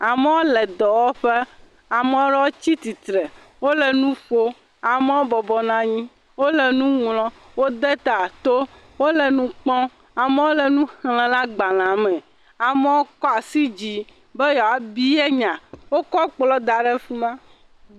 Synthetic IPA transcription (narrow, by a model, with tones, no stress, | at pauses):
a˨mɛ˦wo˦lɛ˨d̪ɔ˨wɔ˦ɸe˦ | a˨me˨˦wo˦ɖɛ˦wo˦t͡ɕi˦t̪i˨t̪ɾɛ˨ | wo˦lɛ˨nũ˦ɸo˦ | a˨me˦wo˦bɔ˨bɔ˨nã˨ɲĩ˦ | wo˦lɛ˨nũ˦ŋlɔ̃˦ | wo˦d̪e˦t̪a˨t̪o˦ | wo˦lɛ˨nũ˦k͡pɔ̃˦ | a˨me˦wo˦lɛ˨nũ˦hlɛ̃˨la˦ɡ͡ba˨lã˨mɛ̃˨ | a˨mɛ̃˦wo˦kɔ˦a˨si˦d͡ʑi˨ | bɛ˦jɔ˨a˨bi˦e˦ɲã˨wo˦kɔ˦k͡plɔ˦d̪a˨ɖɛ˦fu˦mã˦